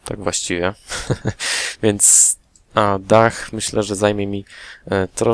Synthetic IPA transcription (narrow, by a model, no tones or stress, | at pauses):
t̪ʰa̰ɡvwaɕt͡ɕivʲjɛ | vʲjɛnt̪s | ad̪axmɘɕlɛʐɛzajmʲjɛmʲit̪ɾɔ